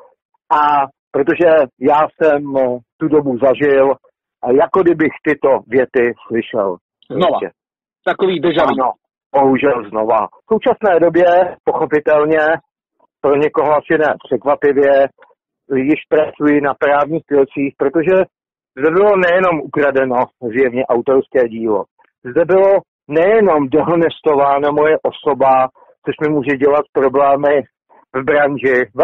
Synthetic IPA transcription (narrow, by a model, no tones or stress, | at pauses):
ʔa | pɾot̪o̞ʒɛjaːsɛmt̪udo̞buzaʒɪl | jakodɪbɪxt̪ɪt̪o̞vjɛt̪ɪslɪʃɛ̰l | znovaɛ̰ | t̪akoviːbʒano | boɦuʒɛlzno̞va̰fso̞wt͡ʃasnɛːdo̞bjɛpo̞xo̞pɪt̪ɛlɲɛ | pɾo̞ɲɛko̞ɦoasɪnɛːpr̝̥ɛkvapɪvjɛ | jɪʃpɾat͡sujɪnapɾaːvɲiːxt̪ɪlt͡siːxpɾot̪o̞ʒɛ | zdɛbɪlo̞nɛjɛno̞mʔukɾadɛno̞zɪjɛvɲɛʔawt̪oɾskɛːɟiːlo̰ | zdɛbɪlo̞ | nɛjɛno̞mdoɦonɛst̪ovaːnamo̞jɛʔoso̞ba | t͡soʃmɪmuːʒɛɟɛlat̪̚pɾo̞blɛːmɪ | vbɾanʒɪv